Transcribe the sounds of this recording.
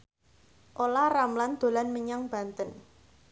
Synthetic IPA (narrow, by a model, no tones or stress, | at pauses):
ʔolaramland̪̥o̤lanməɲaŋb̥a̤nt̪ən